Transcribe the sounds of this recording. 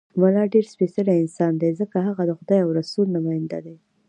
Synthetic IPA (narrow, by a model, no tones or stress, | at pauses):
malɑɖeɾspesəlaɪnsɑnd̪ezəkaɦaɣad̪əxʊd̪ɑjawɾasulnamɑjɪnd̪a̰d̪e